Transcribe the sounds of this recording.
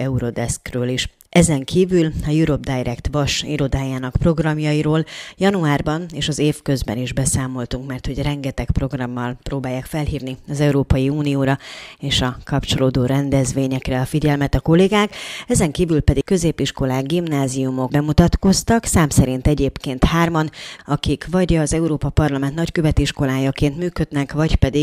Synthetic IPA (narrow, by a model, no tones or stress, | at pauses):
ɛuɾo̞d̪ɛskrøːliʃ | ʔɛzɛŋkiːvylɒjuɾo̞b̚d̪ajɾʔɛkt̪vɒʃḭɾo̞d̪aːjaːnɒkpro̞ɡrɒmjɒjiɾoːljɒnuaːrbɒneːʃɒzeːfkø̞zbɛ̰niʒbɛsaːmo̞lt̪uŋkmɛrt̪ho̞ɟrɛŋɡɛt̪ɛkpro̞ɡrɒmːɒlproːbaːjːaːkfɛlhiːvniɒzɛuɾoːpɒjiuːnijoːɾɒeːʃɒkɒpt͡ʃo̞loːd̪oːɾɛnd̪ɛzʋeːɲɛkrɛɒfiɟɛlmɛt̪ɒko̞leːɡaːkɛzɛŋkiːvylpɛd̪ikkø̞zeːpiʃko̞laːɡɡimnaːziumo̞ɡbɛmut̪ɒt̪ko̞st̪ɒksaːmsɛɾint̪ɛɟeːpkeːnt̪haːrmɒnɒkikʋɒɟɒzɛuɾoːpɒpɒrlɒmɛnt̪nɒckøvɛt̪iʃko̞laːjɒkeːnt̪myːkø̞d̪nɛkʋɒɟpɛd̪i